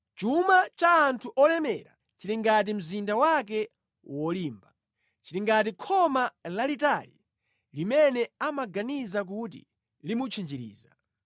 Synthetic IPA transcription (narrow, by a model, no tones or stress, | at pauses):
t͡ʃumat͡ʃaːntʰuʔɔlɛmɛ̰ɾa̰ | t͡ʃiliŋɡat̬im̩zindawak̬ɛ | wɔliːmba | t͡ʃiliŋɡat̬ikʰɔmalalitalḭ | limɛnɛamaɡanizak̬utḭ | limut͡ʃʰind͡ʒiɾḭːza̰